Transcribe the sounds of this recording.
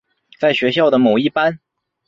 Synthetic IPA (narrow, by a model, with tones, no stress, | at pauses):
t͡sa˥˩ɪɕɥɛ˧˥ɕ̬jɑ˥˩ʊd̪ə˩mo˨˩ʊi˥˩pa˥n